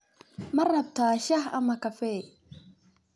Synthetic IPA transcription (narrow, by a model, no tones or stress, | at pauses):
mɐrɐb̚t̪ʰaːʃɐhɐ̰mɐkɐfɛː